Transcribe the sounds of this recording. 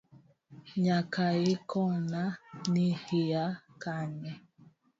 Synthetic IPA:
ɲakaekɔnanihiakanɛ

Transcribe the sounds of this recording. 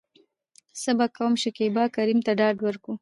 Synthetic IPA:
səbakawəmʃekebɑkaɾimt̪aɖɑɖwəɾku

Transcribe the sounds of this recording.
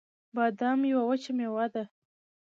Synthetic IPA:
bɑd̪amjawawət͡ʃamewɑd̪a

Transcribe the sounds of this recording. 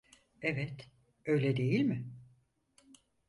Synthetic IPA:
evɛt̪ | ø̞jlʲɛd̪e̞jilʲmɪ

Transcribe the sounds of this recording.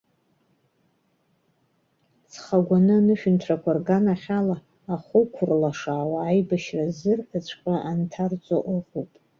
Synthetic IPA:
t͡sʰχaɡʷanɨnɨʃᶣʏntʰrakʷʰarɡanaχʲalaː | χʷʊkʷʰʊrlaʂaːwaːjbaʃrazɨrħat͡ɕʷʰʼχʲʷʼaʔantʰart͡sʷʼoʔʊʁupʼ

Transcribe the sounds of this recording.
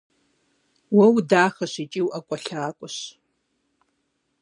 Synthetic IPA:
wɐwdaːxɐɕit͡ʃʼiːwʔɐkʷʼɔɬaːkʷʼʊɕ

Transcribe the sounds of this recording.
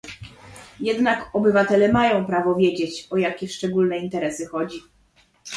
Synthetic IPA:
jɛd̪nakɔbɘvat̪ɛlɛmajɔ̃w̃pɾavɔvʲjed͡ʑet͡ɕɔjakʲɛʂt͡ʂɛɡulnɛint̪ɛɾɛsɘxɔd͡ʑi

